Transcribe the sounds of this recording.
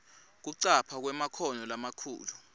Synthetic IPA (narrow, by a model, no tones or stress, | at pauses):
k̬uǀapʰak̬wɛmakʰɔnɔlamakʰṵːlu